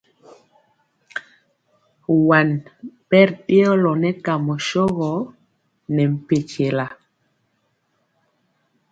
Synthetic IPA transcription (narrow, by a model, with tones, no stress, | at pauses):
wa˨npɛ˦ɾɗi˦ɔ˦lɔ˨nɛ˦ka˨mɔ˨ʃɔ˦ɣɔ˨˦ | nɛ˨m̩˨pe˨t͡ʃe˨la˨